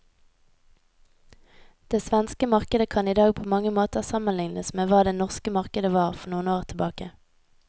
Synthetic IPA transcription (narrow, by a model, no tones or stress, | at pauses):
d̪̥eːsʋɛnskəmɑʁkəd̪əkʰɑniːd̪ɑːɡ̚pʰoːmɑŋəmoːt̪əsɑmənlɪŋnəsmeːʋɑːd̪eːnɔʁskəmɑʁkəd̪əʋɑːʁfɔʁnuːənoːʁt̪ʰəbɑːkə